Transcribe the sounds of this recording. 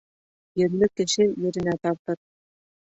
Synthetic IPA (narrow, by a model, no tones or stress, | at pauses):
jɘ̆ɾlɘkːɘ̆ʃɘjɘ̆ɾɘ̆næt̪ɑɾt̪ɤɾ